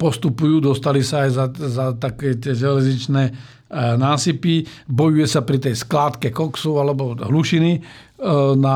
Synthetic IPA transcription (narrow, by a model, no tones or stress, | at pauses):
pɔst̪upujuːd̪ɔst̪alisaːjzazat̪akɛːt̪ɪɛʒɛlɛzɲit͡ʃnɛː | naːsipibɔjujɛsapɾit̪ɛjsklaːt̪kɛkɔksɔʊalɛbɔɦluʃini | na